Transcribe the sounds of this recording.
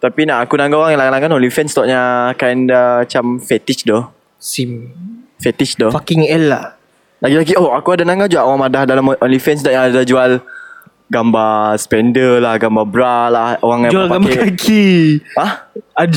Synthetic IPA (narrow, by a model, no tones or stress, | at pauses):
t̪apinaʔakunãŋɡaoɣaŋalaɡanaŋɡanɔlifɛnst̪ɔʔɲakajndaat͡ʃamfɛt̪it͡ʃdo | simfɛt̪it͡ʃdofakiŋɛlːah | laɡilaɡioakuadanãŋɡad͡ʒuaʔoɣaŋmadahdalamʔɔnlifɛnsdaʔjaŋadad͡ʒual | ɡambaspɛndəlahɡambabɾalahoɣaŋjaŋɡpaabaakʰiaha